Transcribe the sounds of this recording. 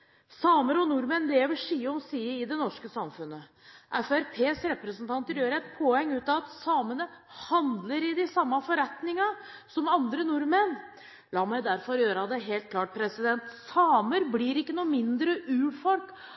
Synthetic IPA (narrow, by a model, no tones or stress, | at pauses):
sɑːməɾɔnʊɾmɛnleːʋəʂiːəɔmsiːəɪd̪ɛnɔʂkəsɑmfʉnə | ʔæfæɾpʰeːsɾɛpɾəsn̩t̪ʰɑnt̪əɾjøːɾəɛt̪pʰoɛŋːʉːt̪ɑʋɑt̪sɑːmənəhɑnd̪ləɾɪd̪ɪsɑmːɑfɔɾɛt̪nɪŋɑ | sɔmɑnd̪ɾənʊɾmɛn | lɑːmæɪd̪æɾfɔɾjøːɾɑd̪ɛɦeːlt̪̚kʰlɑːʈ̚pʰɾɛsɪd̪ɛnt̪sɑːməɾbliɾɪkːənuːmɪnd̪ɾəʔʉːɽfɔlk